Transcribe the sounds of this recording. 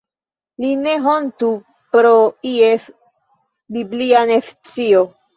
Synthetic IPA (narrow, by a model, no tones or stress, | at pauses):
line̞ɦontu | pɾoies | biblianeft͡sio